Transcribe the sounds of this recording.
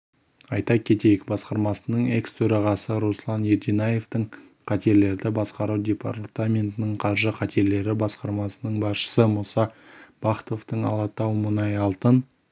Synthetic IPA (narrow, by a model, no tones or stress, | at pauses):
ɑjt̪ɑkʲʰe̞t̪e̞jɪkbɑsqɑɾmɑsənəɴe̞kst̪ʰɵɾɑʁɑsəɾoslˠɑnjeɾd̪inaje̞ft̪əɴ | qʰɑt̪e̞ɾle̞ɾd̪ɪbɑsqɑɾuwd̪ʲe̞pa̰ɾt̪amʲe̞nt̪ɪnɪɴqʰɑɾʒəqʰɑt̪ʰe̞ɾle̞ɾɪbɑsqɑɾmɑsənəɴbɑsʃə̥səmusɑb̥ɑqt̪o̞ft̪əɴɑ̰lˠɑt̪ɑwmʊnɑjɑlˠt̪ən